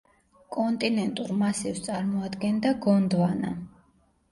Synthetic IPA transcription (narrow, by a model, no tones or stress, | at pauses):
kʼɔnt̪ʼinɛnt̪ʼuɾmasivst̪sʼaɾmɔad̪ɡɛnd̪aɡɔnd̪vana̰